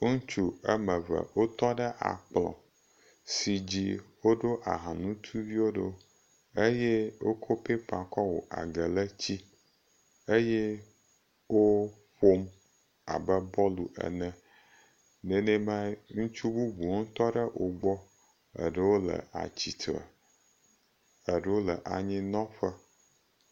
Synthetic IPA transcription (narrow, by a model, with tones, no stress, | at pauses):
ŋũ˦t͡ʃu˦ə˦mə˨və̰˨wo˦t̪ɔ˦ɖə˦ʔa̰˨k͡plɔ̰̃˨ | si˨d͡ʑi˦wo˦ɖo˦ʔa˨ɦã˨nũ˦t̪ʰu˦vi˦wo˦ɖe˦ | e˦je˦wo˦kʰo˦pe˦pã˨kɔ˦wo̰˨ʔa̰˨ɡə˨lə˦t͡ɕi˦ | e˦jɛ˦ | wo˦ | ɸo˦m | a̰˨bə˦bɔ˦lu˨ʔə̰˨nə̃˨ | nɛ̃˨nɛ̃˦ma˦ŋũ˦t͡ʃu˦bu˦bu˨˦t̪ɔ˦ɖə˦wʔo˨ɡ͡bɔ˦ | ə̰˨ɖə˦wo˦lə̰˨a̰˨t͡ɕi˨t̪ʰə̰˨ | ə˨ɖə˦wo˦lə̰˨ʔa˨ɲĩ˦nɔ̃˦ɸə˦